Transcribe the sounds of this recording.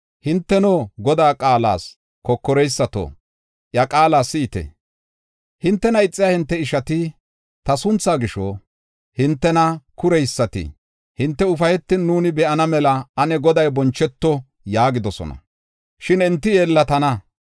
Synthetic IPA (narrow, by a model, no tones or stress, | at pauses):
hɪnt̪ːɛnoːɡɔd̪aːkʼaːla̰ːs | kɔkːɔɾɛjsːɐt̪o̰ː | ʔjɐkʼaːlaːsɪːt̪ɛ̰ | hɪnt̪ːɛnɐɪt͡sʼːɪjaːhɪnt̪ːɛɪʃɐt̪ɪ | t̪ɐsʊnt͡sːaːɡɪʃɔ | hɪnt̪ːɛnɐkʊɾɛjsːɐt̪ɪ̰ | hɪnt̪ːɛʊfɐjɛt̪ːɪnːuːnɪbɛʔɐnɐmɛlɐɐnɛɡɔd̪ɐjbɔnt͡ʃːɛt̪ːɔ | jaːɡɪd̪ɔsɔ̰nɐ̰ | ʃɪnɪnt̪ːɪjeːlːɐt̪ɐnɐ